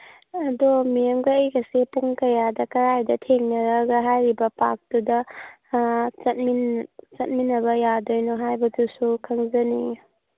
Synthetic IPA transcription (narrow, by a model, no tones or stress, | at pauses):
ɐdomijɐmɡɐːjɡɐsepuŋkɐjadɐkɐɾajdɐtʰeŋnɐɾɐɡɐɦajɾibɐpak̚d̥udɐ | t͡ʃɐt̚mint͡ʃɐt̚minːɐβɐjadojnɔɦajbɐdusukʰɐŋzɐni